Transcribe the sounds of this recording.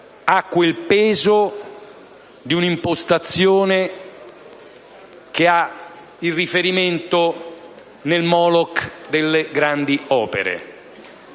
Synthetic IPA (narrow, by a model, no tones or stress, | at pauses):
akːwelpeːzo | d̪iunimpost̪at̪sːjoːne | kea | ilrːifeɾiment̪o | nelmɔlɔkd̪elːeɡɾand̪iɔːpḛɾḛ